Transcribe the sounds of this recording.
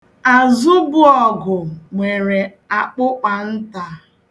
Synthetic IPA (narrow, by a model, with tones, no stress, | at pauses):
a˨zʊ˦bʊ˦ɔ˨ɡʊ˨ŋʷe˨ɾe˨ | a˨k͡pʊ˦k͡pa˨n̩˦ta˨